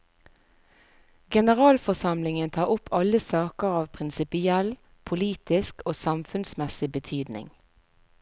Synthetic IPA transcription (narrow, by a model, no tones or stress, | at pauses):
ɡɛnəʁɑːlfɔsɑmlɪŋənt̪ʰɑːʊpʰɑləsɑːkəʁɑːʋpʰʁɪnsɪpɪɛl | pʰʊliːt̪ɪskoːsɑmfʉnsmɛsɪbət̪ʰyːd̪nɪ̰ŋ